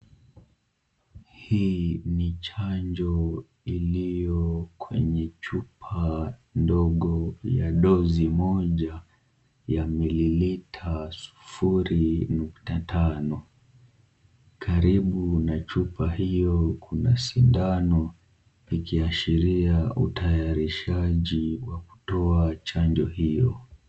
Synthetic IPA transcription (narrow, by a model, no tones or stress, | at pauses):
hiːnit͡ʃaɲd͡ʒɔ | ilijɔkwɛ̰ɲɛt͡ʃupʰandɔɠɔjaɗɔzimɔʄa | jamililitʰasu̥fuɾinuktatʰanɔ | kʰaɾiɓunat͡ʃupʰahijɔkʰunasindanɔ | ikiaʃiɾiaʔutʰajaɾiʃaʄiwaku̥tɔat͡ʃaɲd͡ʒɔhijɔ